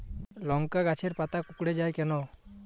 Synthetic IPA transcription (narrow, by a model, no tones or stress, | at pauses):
lɔŋkaɡat͡ʃʰɛɾpat̪akukɽɛd͡ʒajkɛnɔ